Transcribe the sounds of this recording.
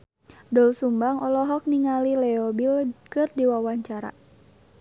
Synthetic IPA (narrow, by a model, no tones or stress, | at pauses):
dɔlsumbaŋɔlɔɦɔk̚niŋalilɛɔbilkɨrdiwawaɲt͡ʃaɾa̰